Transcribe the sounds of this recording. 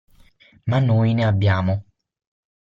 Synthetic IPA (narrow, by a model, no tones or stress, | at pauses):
mãnũinɛ̃abjamɔ